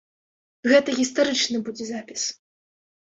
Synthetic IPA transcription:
ɣɛt̪ɐɣʲist̪aɾɨt͡ʂnɨbud͡zʲɛzapʲis

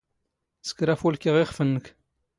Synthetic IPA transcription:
sə̥kɾæfulkiʁiχfənːək

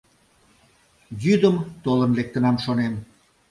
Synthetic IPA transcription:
jyd̪əmt̪olənlek̚t̪ə̆nɑmʃonem

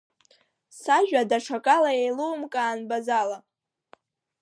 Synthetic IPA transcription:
saʒᶣadaʈ͡ʂʰakʼalaejlowmkʼaːnbazala

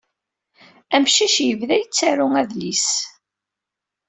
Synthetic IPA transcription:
æmʃiʃjəvðæjət͡sːæɾʊŋæðlis

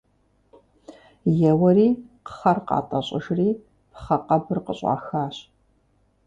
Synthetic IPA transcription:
jɛwɐriːqəχɐrqɑ̰ːtʼɐɕʼɪʒriː | pʰχɐqɐbɨrqəɕʼɑ̰ːxaːɕ

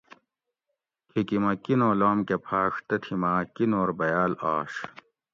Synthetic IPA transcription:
kʰikimɐkinoːlaːmkepʰaːʂt̪ɐt̪ʰimakinoːɾbɐjaːlaːɕ

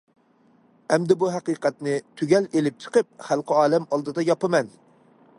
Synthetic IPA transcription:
ɛmd̪ɪbuɦæqɨːqɛt̪nɪt̪ʰyɡʲɛlelɪp̚t͡ʃʰə̥qəp̚χælˠqʰəɑːlˠɛmɑlˠd̪ɨd̪ɑjɑpɨmɛn

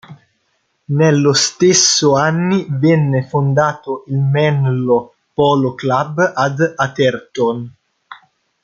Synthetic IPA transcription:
nelːost̪esːoanːivɛnːefond̪aːt̪oʔilmɛnlo | pɔloklabad̪at̪ert̪on

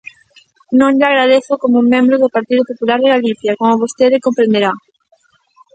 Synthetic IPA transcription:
nõŋʎaɣɾað̞eθʊkomʊuŋmẽmbɾʊðʊpaɾt̪iðʊpopulaɾðɪɣaliθjɐkomʊβost̪eðɪkompɾẽnd̪eɾa

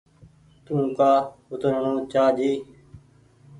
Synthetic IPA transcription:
t̪ũːkaːʊt̪əɾɳõːt͡ʃaːd͡ʒiː

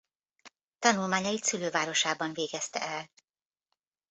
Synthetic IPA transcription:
t̪ɒnulmaːɲɒjit̪syløːvaːɾo̞ʃaːbɒɱveːɡɛst̪ɛ̰ʔɛl

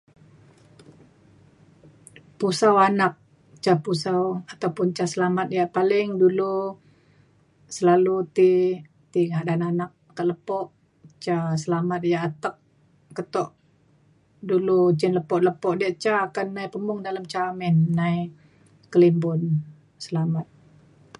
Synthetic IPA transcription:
pusawanak̚ | t͡ʃapusawat̪awpʊnt͡ʃasəlamat̪̚ijaʔpalɪŋdulu | səlalut̪i | t̪iŋaʔdananak̚kːaʔləpɔʔ | t͡ʃasəlamat̪̚jaʔːt̪ək̚ː | ət̪ɔʔ | dulut͡ʃɪnləpɔʔləpɔʔdiaʔt͡ʃaːkanːajpəmʊŋdaləmt͡ʃamɛnːaj | kəlimbʊn | səlamat̪̚

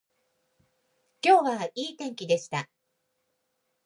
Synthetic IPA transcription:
kʲo̞ːβaiːt̪ẽ̞ŋkʲid̪e̞ɕi̥t̪a

